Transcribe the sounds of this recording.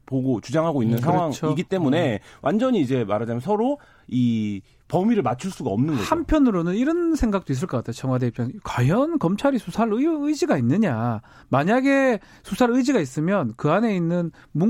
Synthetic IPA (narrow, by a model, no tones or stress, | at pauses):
poɡot͡ɕud͡ʑaŋɦaɡoinːɯnsʰaŋʌwaŋt͡ɕʰoiɡit͈e̞mune̞wʔand͡ʑʌɲiːd͡ʑe̞maɾad͡ʑamjʌnsʰʌɾo | i | pʌmiɾɯɭmat͡ɕʰuɭs͈uɡa̰ʌmnɯnnɡʌhampʰjʌnɯɾonɯniɾʌnsʰeŋɡak̚t͈ois̬͈ɯɭkʌkatʰejot͡ɕʌŋwadeip͈ʰʌnkwajʌnkʌmt͡ɕʰaɾisʰusʰaɾɯɯid͡ʑiɡainːɯɲa | maɲaɡe̞ | sʰusʰaɾɯjd͡ʑiɡais͈ɯmjʌnkɯane̞inːɯn | mu